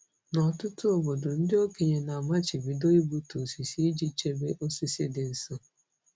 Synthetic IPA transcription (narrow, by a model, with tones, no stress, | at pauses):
nɔ˨tʊ˦tʊ˦ɔ˨bo˨dʊ˨n̩˦dɪ˦o˦ke˨ɲe˨na˨a˨ma˦t͡ʃɪ˨bi˨do˦i˦bu˦to˨si˨si˦d͡ʒi˦t͡ʃe˦be˦ʔo˦si˦si˦dɪ˨n̩˨sɔ˦